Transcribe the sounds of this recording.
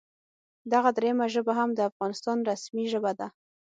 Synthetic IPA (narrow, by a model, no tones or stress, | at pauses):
d̪aɣad̪ɾejamaʒəbaɦamd̪əafɣɑnɪst̪ɑnɾasmiʒəbad̪a